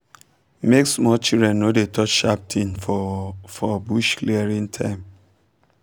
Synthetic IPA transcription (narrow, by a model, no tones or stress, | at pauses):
meksmɔt͡ʃildɹɛ̃nːodetʰɔt͡ʃʃap̚tʰĩnfɔfɔbuʃkliɛɹĩntʰãɪ̃m